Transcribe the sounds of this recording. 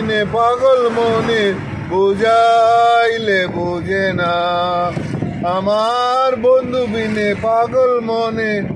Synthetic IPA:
nepaːɡəlmoːne | bʱod͡ʒa | ilebʱoːd͡ʒena | əmaːɾbond̪ubinepaɡəlmoːne

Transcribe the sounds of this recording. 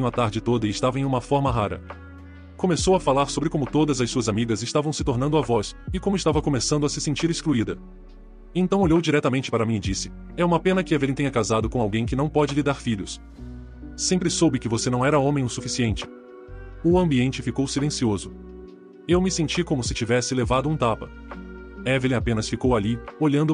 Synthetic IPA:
ɲʊ̃ɐt̪aɾd͡ʒɪt̪od̪ɐɪʃt̪avɐẽj̃ũmɐfɔɾmɐɦaɾɐ̰ | kõmesowɐfalaɾsobɾɪkõmʊt̪od̪ɐzɐssuɐzamiɡɐzɪʃt̪avɐ̃w̃sɪt̪oɾnɐ̃nd̪ʊavɔsɪkõmʊɪʃt̪avɐkõmesɐ̃nd̪ʊɐsɪsẽnt͡ʃiɾeskluid̪ɐ | ẽt̪ɐ̃w̃oʎowd͡ʒiɾɛt̪ɐmẽnt͡ʃɪ̥paɾɐmĩɲd͡ʒisɪ̥ | ɛũmɐpẽnɐkɪaveɾẽt̪eɲɐkazad̪ʊkõawɡẽj̃kɪnɐ̃w̃pɔd͡ʒɪlɪd̪aɾfiʎʊs | sẽmpɾɪsowbɪkɪvosenɐ̃w̃ɛɾɐõmẽj̃ʊsufisiẽnt͡ʃɪ̥ | ʊɐ̃mbiẽnt͡ʃɪfikowsilẽsiozʊ | ewmɪsẽnt͡ʃikõmʊsɪt͡ʃivɛsɪlevad̪ʊũt̪apɐ | ɛvelẽapẽnɐsfikowalioʎɐ̃nd̪ʊ

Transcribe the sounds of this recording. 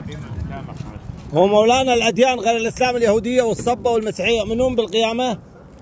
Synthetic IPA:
wmawlaːnalʔad̪jaːnɣeːlalʔɪslaːmɪljahuːd̪ɪjːawɨsˤːɑbːawɪlmasiːħɪjːaʔmɪnuːmbɪlqɪjaːma

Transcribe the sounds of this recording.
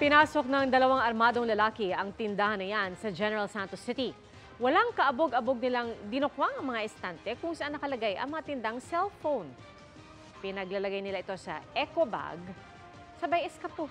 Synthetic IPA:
pɪnaːso̞k̚nɐŋd̪ɐlɐwaŋɐɾmaːd̪o̞ŋlɐlaːkɪʔɐŋt̪ɪnd̪ahɐnːɐjansɐd͡ʒɛnɛɹɐlsant̪osɪt̪i | wɐlaŋkɐʔɐboɡɐboɡ̚nɪlaŋd̪ɪnokwaŋʔɐŋmɐŋaʔɪst̪ant̪ɛkʊŋsɐʔanːɐkɐlɐɡajʔɐ̰ŋmɐŋat̪ɪnd̪aŋsɛlfown | pɪnɐɡlɐlɐɡajnɪlaʔɪt̪o̞sɐ̰ʔɛkoba̰ɡ | sɐbɐjɛskɐpo

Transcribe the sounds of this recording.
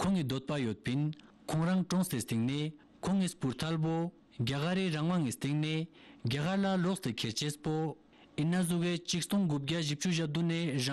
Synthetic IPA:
kʰoŋːid̪ot̪̚pajøt̪̚pin | kʰoŋraŋʈ͡ʂoŋsest̪iŋne | kʰoŋːispurt̪ʰalp̬o | ɡakaɾeraŋwaŋist̪eŋne | ɡakʰarlaloʔst̪ekʰert͡ɕʰespo | ʔinːazuket͡ɕʰik̚t̪oŋɡup̚ɡaʑip̚t͡ɕuʑap̚d̪unera

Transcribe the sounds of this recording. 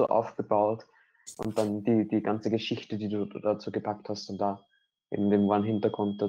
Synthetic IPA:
o̰ːʔa̰ʊfɡ̥əbaʊlt | ʔʊ̰nt̚d̥and̥iːd̥iːɡant͡səɡəʃɪçtədiːduːdat͡suːɡəpʰak̚thastand̥aː | ʔḛɡm̩deːmvoanɦɪntɐɡ̥ʁʊnt̚d̥a

